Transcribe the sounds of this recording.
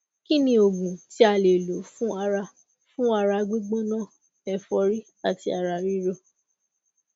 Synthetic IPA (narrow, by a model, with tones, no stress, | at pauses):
ki˦nĩ˦o˨ɡũ˨ti˦a˧˨le˨lo˨˦fũ˦a˧ɾa˧ | fũ˦a˧ɾa˧ɡ͡bi˦ɡ͡bɔ˦nã˦˨ | ɛ˨fɔ˧ɾi˦ | a˨ti˧˦a˧ɾa˧ɾi˦ɾo˦